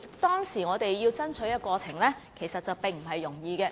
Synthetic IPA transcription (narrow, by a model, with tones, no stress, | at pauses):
t̪ɔː˥ŋsiː˨˩ŋɔː˨˧t̪e˨jːiː˧wt͡sɐ˥nt͡ʃʰɵ˨˥jɐ˥t̚kɔː˧t͡sʰɪ˨˩ŋlɛː˥kʰe˨˩jsɐ˨t̚t͡sɐ˨wpɪ˨˩ŋm̩˨˩ɦɐ˨jːʊ˨˩ŋjiː˨˧kɛː˧